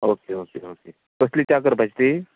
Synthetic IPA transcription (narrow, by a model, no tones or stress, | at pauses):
oːkeoːkeoːkeː | kʊslit͡ʃaːkəɾbʱɐt͡ʃt̪i